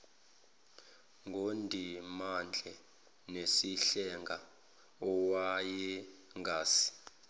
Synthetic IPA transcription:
ŋɡʱondʱimand͡ɮʱɛ | nesiɬɛŋɡʱa | ɔwajɛŋɡʱaːsi̥

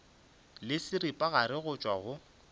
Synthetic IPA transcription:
lɪsɪɾɪpʼaɣaɾɪɣʊt͡ʃʼwaɣʊ

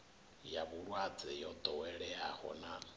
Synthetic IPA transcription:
jaβuɺwad͡zɛjɔd̪ʼɔwɛɺɛahɔ̰na

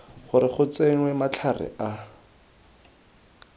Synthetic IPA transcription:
χʊɾɪχʊt͡seŋ̩wɛmat͡ɬʰarɪ̰ʔa

